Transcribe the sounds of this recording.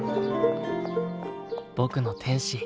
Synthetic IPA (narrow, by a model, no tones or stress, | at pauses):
b̥o̞kɯ̟not̪ʰẽ̞ɰ̃ɕi